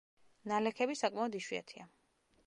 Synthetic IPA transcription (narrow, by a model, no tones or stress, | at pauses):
nalɛkʰɛbisakʼmaɔd̪iʃwia̰t̪ʰia